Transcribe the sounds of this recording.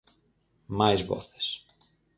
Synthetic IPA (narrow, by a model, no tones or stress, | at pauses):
majzβɔ̰θe̥s